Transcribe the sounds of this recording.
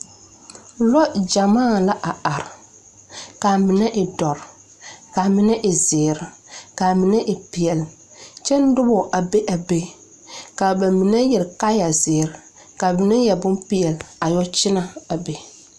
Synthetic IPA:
lɔ˦d͡ʒa˨maː˦˨la˦ʔa˨a˨ɾ | ka˨mɪ˨nɛ˦ʔɪ˨dɔ˨ɾ | ka˨mɪ˨nɛ˦ʔɪ˨zɪː˨ɾɪ˨ka˨mɪ˨nɛ˦ʔɪ˨pi˨ɛ˨l | t͡ʃɛ˦n̩˦dʊ˦bʊ˨ʔa˨be˦ʔa˨be˦ | ka˨ba˨mi˨nɛ˦jɛ˨ɾka˦ja˨zɪː˨ɾ | ka˨mɪ˨nɛ˦jɛ˨bʊ˦mpi˦jɛ˨la˨jɔ˦t͡ʃɪ˦na˨a˨be˨

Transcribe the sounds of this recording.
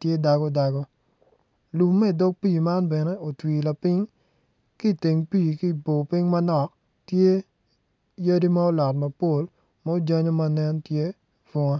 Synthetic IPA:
tje˦da˨ɡɔ˦da˨ɡɔ˦ | lu˨mɛ˦i˨do˦k̚pi˦˨ma˦nbɛ˨nɛ˦o˨twi˨la˨pɪ˦ŋ | ki˦˨ti˨ŋpi˦˨ki˦˨po˨pɪ˦ŋmɐ˦nɔ˨k | tje˦ | jɐ˦di˦ma˦o˦lɔ˨tmɐ˨po˦˨l | ma˦o˦d͡ʒa˦ɲo˦ma˦nɛ˦ntje˦ | fo˦ŋa˦

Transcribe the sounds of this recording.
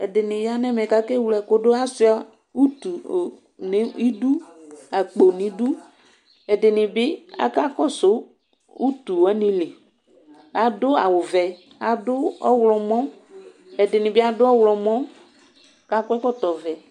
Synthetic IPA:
ɛ˨dɪ˨nɪ˨ja˦nɛ˦mɛ˨ka˦ke˦wlɛ˨ko˦dʊ˦a˦sɪ˦ɔ˦ | u˦t̪u˨ | nɪ˦i˦du˦a˨k͡po˨nĩ˨˦du˦ | ɛ˨dɪ˨nɪ˨bɪ˦a̰˨ka˦kɔ˦sʊ˦ | u˦t̪u˨a˦ni˦lɪ˨ | a˨dʊ˦a˨wʊ˨vɛ˨ | a˨dʊ˦ɔ˦wlɔ˨mɔ̃˦ | ɛ˨dɪ˨nɪ˨bɪ˦a˨dʊ˦ɔ˦wlɔ˨mɔ˦˨ | ka˦kʷɛ˦kɔ˦t̪ɔ˨vɛ˨

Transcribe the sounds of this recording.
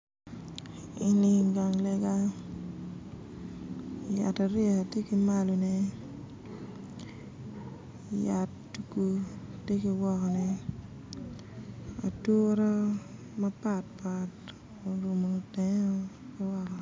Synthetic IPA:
ɪ˨ni˨ŋɡa˨ŋlɛ˦ɡa˦ | ja̰˨ta˨ɾɪ˦a˨tje˦ki˦ma˦lo˨nɛ˦ | ja̰˨tːu˨ku˦tje˦ki˧wɔ˦kɔ˨nɛ˨ | a̰˨to˦ɾɔ˦ | ma˦pa˨t̚pa˨t | o˨ɾu˨mo˨tɛ˦ŋɔ˦ | kɪ˦wɔ˦kɔ˨

